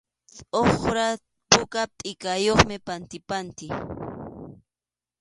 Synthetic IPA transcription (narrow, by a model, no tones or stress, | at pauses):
t͡sʼoχɾa | pʊkap̚t̪ʼɪkajoχmɪpant̪ɪpant̪ɪ